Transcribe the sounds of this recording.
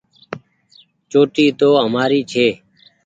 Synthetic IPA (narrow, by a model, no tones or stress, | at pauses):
t͡ʃoːʈiːt̪oːɦəmaːɾiːt͡ʃʰeː